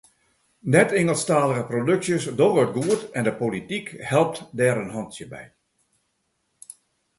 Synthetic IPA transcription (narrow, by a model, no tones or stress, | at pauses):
nɛtɪŋəlˠstaːləɣəprodøksjəsdoʋət̚ɡuətɛndəpolitikhɛlˠp̚tdɛːɾənɦɔntsjəbɛ̰j